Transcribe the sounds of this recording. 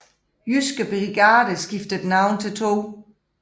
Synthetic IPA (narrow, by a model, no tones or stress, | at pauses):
jysɡ̥əb̥ʁiɡ̥ɑ̈ːd̥əsɡ̥ifd̥əd̥nɑ̈ʊ̰nt͡sʰe̝lt͡sʰo̝̰ː